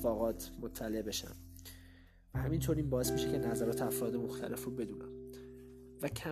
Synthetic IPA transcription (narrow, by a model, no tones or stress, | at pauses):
fɒːɣɒːt̪ʰmot̪ʰːæle̞ʔbe̞ʃæ̰m | væhæmint̪ʰoːɾiːnbɒːe̞smiʃece̞næzæɾɒːt̪ʰeæfɾɒːd̪e̞moxt̪ʰæ̰lʔe̞fruːbe̞d̪uːnæ̰m | væcʰæ